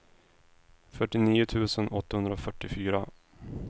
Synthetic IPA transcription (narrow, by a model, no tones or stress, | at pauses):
fœʈːɪniːʊt̪ʰʉ̟ːsənɔt̪ːahɵnɾaɔfœʈːɪfyːɾa